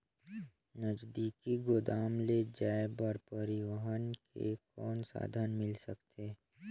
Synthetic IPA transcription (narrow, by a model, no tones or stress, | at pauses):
nəd͡ʒd̪iːkiɡod̪aːmled͡ʒaːebəɾpəɾɪʋəɦənkḛkɔːnsa̰ːd̪ʱənmɪlsəkt̪eː